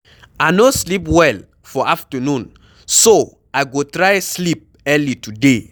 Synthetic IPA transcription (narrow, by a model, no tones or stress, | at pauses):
anoslipwɛl | fɔaftənũn | so | aɪɡotɹaɪslip̚ | ɛlitude